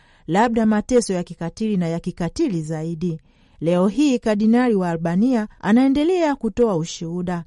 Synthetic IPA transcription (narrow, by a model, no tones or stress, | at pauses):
laɓ̚ɗamatɛsɔjakikatilinajakikatilizaiɗi | lɛɔɦiːkaɗinaɾiwaːlɓaniaa̰naɛndɛlɛakutɔauʃuuɗa